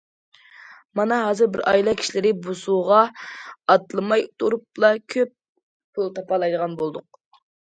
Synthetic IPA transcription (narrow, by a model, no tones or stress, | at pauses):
mɑnɑɦɑːzɨɾbɪɾɑ̰jilˠɑkʲʰi̥ʃilɪɾɪbusuʁɑɑt̪lˠɨmɑjt̪uɾup̚lˠɑkʲʰøp̚ | pʰʊlˠt̪ʰɑpɑlˠɑjd̪əʁɑnbolˠd̪ʊq̚